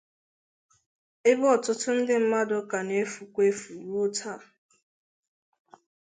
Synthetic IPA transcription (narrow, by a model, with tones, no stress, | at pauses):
ɪ˦bɔ˨tʊ˦tʊ˦n̩˦dɪ˦m̩˦ma˦dʊ˦ka˨ne˦fu˨kʷe˦fu˨ɾu˦o˦tʰa˦˨